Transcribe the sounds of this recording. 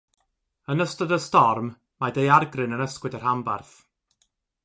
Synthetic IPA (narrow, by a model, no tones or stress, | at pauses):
ənəstɔdəstɔrm | madejarɡrɨnənəskwɪdər̥hambarθ